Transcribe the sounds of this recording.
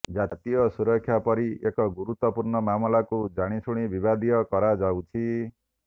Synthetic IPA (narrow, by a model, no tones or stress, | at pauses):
d͡ʒat̪ijɔsuɾɔkʰːjapɔɾiʔekɔɡuɾut̪wɔpuɾɳɔmamɔlakud͡ʒaɽ̃isuɽ̃ibibad̪ijɔkɔɾad͡ʒawt͡ʃʰi